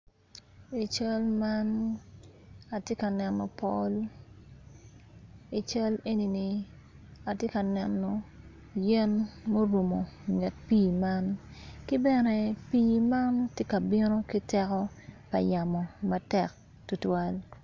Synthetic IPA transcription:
i˨t͡ʃa˦lma˦n | a˨tje˦ka˨nɛ˨nːɔ̰˨pɔ˦l | i˨t͡ʃa˦le˦ni˨ni˨ | a˨tje˦ka˨nɛ˨nːɔ˨ | jɛ˦nmo˦ɾu˨mo˨ŋɛ˨t̚piː˦ma˦nki˦bɛ˦nɛ˨piː˦ma˦ntje˦ka˨bɪ˦no˦ki˦tɛ˦kɔ˦ | pɐ̰˨ja˨mɔ˨mɐtɛ˨k̚ | tu˨twa˦l

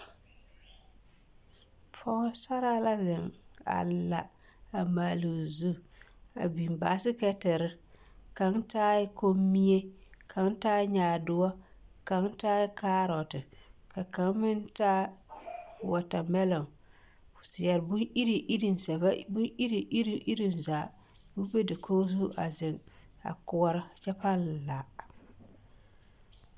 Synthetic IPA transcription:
pʰɔː˦lsa˦ɾa˦la˦zɪ˨ŋa̰˨la̰˨ | a˨maː˨lu˨zu˦a̰˨bi˨mba˨˦sɪ˦kɛ˦tɪ˨ɾɪ˦ | ka˨˦ŋtaː˦jɪ˦ko˦mːi˦e˦kʰa˨˦ŋtaː˦ɲaː˨dʊ˨wɔ˦ka˨˦ŋtaː˦jɪ˦kaː˦ɾɔ˨tɪ˨ka˨ka˨˦ŋ˦mɪ˦ntaː˦˨ | wa˨ta˨mɛ˦lɔ˨ŋ | fʊ˨sɪ˨jɛ˨ɾbʊ˦i˦ɾi˨ʔi˦ɾi˨n˨sa˨bbʊ˦i˦ɾi˨ʔi˦ɾi˦ʔi˦ɾi˦˨nzaː˨ | bu˦be˦dɪ˨kʰoː˦zu˦ʔa˨zɪ˨ŋ | a̰˨kʊ˨˦ɔ˦ɾɪ˦˨t͡ʃɛ˦pa˦n˨la˨

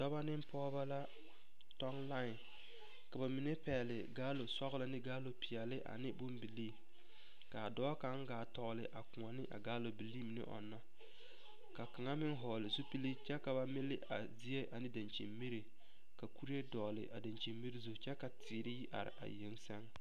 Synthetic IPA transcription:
dɔ˦ba˦nɪ˦m˦pɔː˦ba˦la˦ | tɔ˦ŋla˦ɪ˨n | ka˨ba˨mɪ˨ne˦pɛː˨lɪ˨ɡaː˦lo˨sɔ˦ɣʊ˦lɪ˦nɪ˦ɡaː˦lo˨pi˨ɛ˨lɪ˦ʔa̰˨nɪ˦bʊ˦mbi˨liː˦ | ka˨dɔː˦ka˨˦ŋ˦ɡaː˨tɔ˨ɣlɪ˨ʔa˨kʊ˨ŋa˨nɪ˦ʔa̰˨ɡaː˦lo˨bi˨li˦mɪ˨nɪ̰˦ʔɔ̰˨nːa˦ | ka˨ka˨ŋa˦mɪ˦ŋ˦ɦɔː˨lɪ˨zu˦pi˦li˦t͡ʃɛ˦ka˨ba˦mɪ˦lɪ˦ʔa̰˨zi˦e˦ʔa˨nɪ˦da˨nt͡ʃḭ˨mmi˦ɾi˨ | ka˨ku˦ɾi˦e˦dɔː˨lɪ̰˨ʔa̰˨da˨nt͡ʃi˨mmi˦ɾi˦zu˨t͡ʃɛ˦ka˨ti˨ɾɪ˦ji˦ʔa̰˨ɾɪ̰˨ʔa̰˨je˨˦ŋsɛ˦ŋ

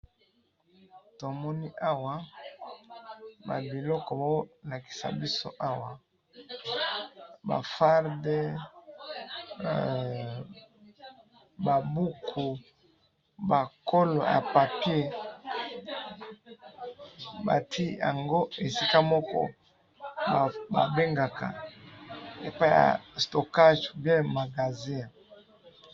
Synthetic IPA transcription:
to˨mɔ˦ni˦ʔa˦wa˨ | ba̰˨bi˨lɔ˦kɔ˨ba˨˦o˦la˨ki̥˨sa̰˨bi˦so̰˦ʔa˦wa˨ | ba̰˨fa˦ʁde˦ | ba˨bu˦kʰu˨ | ba˨ko˦lo̰˨ja̰˨pa˨pje˦ | ba̰˨tʰi˦ja̰˨ŋɡo˦e˨si˦ka˦mɔ˦kɔ̰˦˨ | ba̰˨be˦ŋɡa˨ka̰˨ | e˨pa˦ja̰˨sto˨ka˦ʒbjɛ̃˦ma˨ɡa˨zi˦

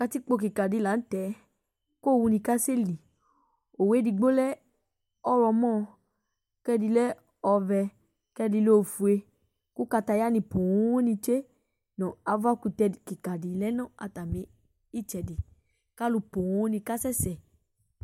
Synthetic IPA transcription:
ka˦˧ti˦k͡po˧ki˨ka˨di˨˧la˨˦n̩˦tɛ˨˦ | ko˦˨wu˧nĩ˧ka˦se˦˨li˨ | o˨we˨˦di˧ɡ͡bo˦lɛ˦ | ɔ˦ɾɔ˧mɔ̃˦˧ | kɛ˦di˧lɛ˦ | ɔ˧vɛ˧ | kɛ˦di˧lo˦˨fu˧e˧ | ku˦ka˧ta˧ja˦nĩ˧po˨wõ˦o˦nĩ˧t͡ʃe˦ | nɔ̃˨a˨va˦ku˧tɛ˧˨ki˨ka˨di˨lɛ˦nɔ̃˦a̰˧ta˨mẽ˨˦ | i˦t͡ʃɛ˧di˨ | ka˦lu˧po˨wõ˨˦nĩ˧ka˦sɛ˦sɛ˨

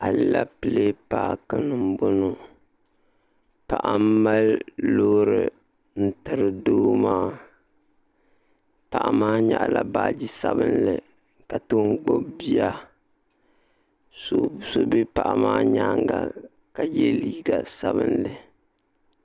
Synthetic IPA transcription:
a˨lɨ˦la˦pɨ˨le˦paː˦kɨ˦nɨ˨m˦bo˦no˦ | pa˨ʔa˨m˦mːa˦llo˦ɾɨ˨ | n̩˦tɨ˨ɾɨ˨doː˦maː˦ | pa˨ʔa˨maː˦ɲa̰˨ʔla˨baː˨d͡ʒi˦sa˦bɨ˦nlɨ˨ | ka˨toː˦ŋɡ͡bo˦bi˦a˦ | so˨so˦be˦pa˨ʔa˨maː˦ɲaː˦ŋɡa̰˦ | ka˨jɛ˦liː˦ɡa˨sa˦bɨ˦nlɨ˨

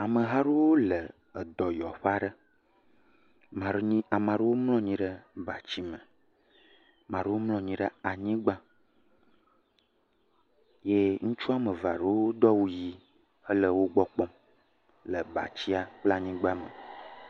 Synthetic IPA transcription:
a˨mə˨ɦa˦ɖe˦wo˦lə˨ | ə˨d̪ɔ˨jɔ˨ɸa˦ɖə˦ | mã˨ɖɲĩ˦a˨mã˨ɖə˦wo˦mlɔ̃˦ɲĩ˦ɖə˦ba˨t͡ɕi˦mə˨ | mã˨ɖə˦wo˦mlɔ̃˦ɲĩ˨ɖə˦a˨ɲĩ˦ɡ͡bã˦ | je˦ŋũ˦t͡ʃu˦a˦mə˨va˨ɖə˦wwo˦d̪ɔ˦wu˦ji˦ | ə˦lə˦wo˦ɡ͡bɔ˦k͡pɔ˦m | lə˨ba̰˨t͡ɕi˦a˦k͡pla˦ɲĩ˦ɡ͡ba˦mə̰˨

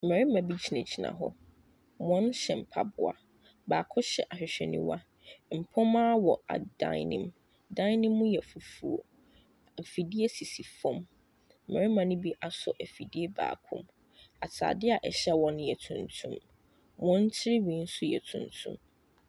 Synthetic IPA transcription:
m̩˨mɛ˨ɾɪ˦mã˨bi˦t͡ɕʰi˨nɛ̃˨t͡ɕʰi˨nã̰˨ɦɔ̰˦ | wɔ̃˦n˦ɕɛ˨m̩˨pʰa˦bʊ˨a̰˨ | baː˨kʰʊ̃˦ɕɛ˨ʔa˨ɕᶣɪ˨ɕᶣɛ̰˨nḭ̃˦wa˦ | m̩˨pʰɔ̃˦mãː˦wɔ˨a̰˨dã̰˦ɪnɪ̰̃˦m | dã˦jnɪ̃˦mːʊ̃˦jɛ˨fu˨fu˨o̰˨ | fi˨di˦e˦si˨si˨fɔ̃˦m̩˨ | ɛ˨ɾɪ˦mã˨nʊ̃˦bi˦ʔa˨sɔ̰˨ʔæ˨fi˨di˦e˦ba̰ː˨kʰʊ̰̃˦m | a˨tʰa̰ː˨dɪ˦a˨ʔɛ˨ɕɛ˦wɔ̃˦nʊ̃˦jɛ˨tʰũ˨ntʰũ˦m | wɔ̃˦n˦t͡ɕʰɪ˦ɾɪ˦wĩ˨˦n̩˦sʊ˦jɛ̰˨tʰṵ̃˨ntʰṵ̃˦m

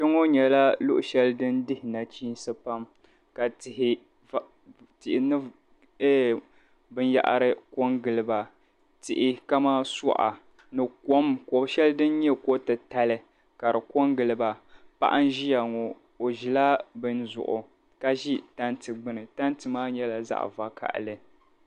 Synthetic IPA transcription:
ʃɛ˦ŋo˦ɲɛ˨la˦lʊ˦ʔʊ˨ʃɛ˦lɨ˦dɨ˦ndɪ˦hɪ˨na˨t͡ʃiː˦n˦sɨ˦pa˦m | ka˨tɪ˨hɪ˨ | tɪ˨ʔnɨ˦ | ɛː˦ | bɨ˦nja̰˨ʔa̰˨ɾɨ˦ko˦ŋɡɨ˨lɨ˨ba˨ | tɪ˨ʔɪ˦ka˦maː˦sɔ̰˦ʔa̰˨ | nɨ˨ko˦mko˨bʃɛ˦lɨ˦dɨ˦n˦ɲɛ˦ko˦tɨ˨ta˦lɨ˨ | ka˨ɾɨ˨ko˦ŋɡɨ˨lɨ˨ba˨pa̰˦ʔa˦n˦ʒi˦ja˨ŋɔ˨ | o˨ʒi˨la˦bɨ˦nzʊ̰˨ʔʊ˨ | ka˦ʒi˦ta˦ntɨ˨ɡ͡bɨ˦nɨ˨ta˦n˦tɨ˨maː˦ɲɛ˦la˨za̰˦ʔva˦kʰa̰˨ʔlɨ˦

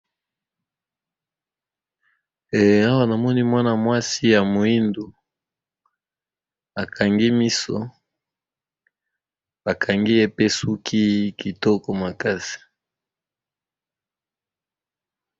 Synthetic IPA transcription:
a˦wa˦na˨mɔ˦ni˦mwa˦na˨mwa˦si˦ja˨mo˨i˦ndu˨ | a˨kʰa˨ŋɡi˦mi˦sɔ̰˦ | ba˨kʰa˨ŋɡi˦e˦pe˦su˦kʰi˦ki˨tɔ˦kɔ˨ma˨ka˦si̥˨

